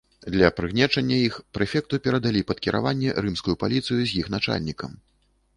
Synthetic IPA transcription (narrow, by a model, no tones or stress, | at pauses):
d̪lʲɐpɾɨɣnʲɛt͡ʂɐnʲːɐixpɾɛfʲɛk̚t̪upʲɛɾɐd̪alʲipɐt̪kʲiɾʔa̰vanʲːɛrɨmskujupalʲit̪sɨjuzʲjixnat͡ʂa̰lʲnʲikɐm